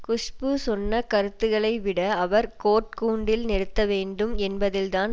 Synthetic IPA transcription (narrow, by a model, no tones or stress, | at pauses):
kʊʂpɯsɔnːɐkɐɾɯt̪ːɯɣɐɭɐɪʋɪɽɐɐʋɐɾkoːʈ̚kuːɳɖɪlnɛɽɯt̪ːɐʋeːɳɖɯmɛnbɐðɪld̪aːn